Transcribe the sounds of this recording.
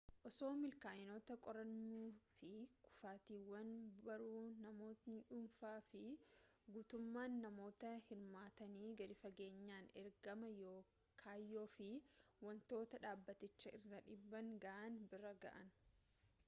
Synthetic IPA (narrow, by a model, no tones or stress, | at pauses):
ʔɔso̞ːmɪlkaːjɪnoːt̪ɐkʼɔɾɐnːuːfɪkʊ̥faːt̪iːwːɐnbɐɾuːnɐmo̞ːt̪nɪᶑʊːnfaːfɪɡuːt̪ʊmːaːnːɐmo̞ːt̪ɐhɪɾmaːt̪ɐniːɡɐɾɪfɐɡe̞ːɲːaːnɛɾɡɐmɐjo̞ː | kʰaːjːo̞ːfɪwɐnt̪o̞ːt̪ɐᶑaːbːɐt̪ɪt͡ʃːɐʔɪrːɐᶑɪbːɐŋɡɐʔɐnbɪrɐɡɐ̰ʔɐn